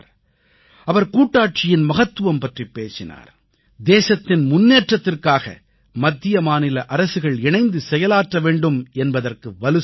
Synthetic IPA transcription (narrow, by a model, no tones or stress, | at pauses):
ɾ | ɐʋɐɾkuːʈːaːʈ̚t͡ʃɪjɪnmɐɣɐt̪ːɯʋɐmpɐʈripːeːsɪna̰ːɾ | d̪eːsɐt̪ːɪnmʊnːeːʈrɐt̪ːɪrkaːɣɐ̰ | mɐd̪ːɪjɐmaːnɪlɐʔɐɾɐsɯɣɐɭɪɳɐɪnd̪ɯsɛjɐlaːʈrɐʋeːɳɖɯmɛnbɐðɐrkɯʋɐlɯ